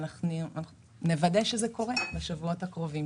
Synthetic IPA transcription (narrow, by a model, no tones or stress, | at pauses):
naχnuanaχu | ne̞vadeʃezeko̞ʁebeʃevuo̞thakʁo̞vim